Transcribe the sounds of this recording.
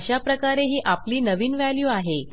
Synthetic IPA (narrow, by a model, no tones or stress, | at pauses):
ɕapɾəkaɾeɦiːʔapliːnəʋiːnʋæljuːaɦe